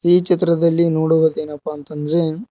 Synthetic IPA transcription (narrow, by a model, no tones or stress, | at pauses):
iːt͡ʃit̪ɾɐd̪ɐlːinoːɽuʋɐd̪eːnɐpːɐːnt̪ɐnd̪ɐɾe̞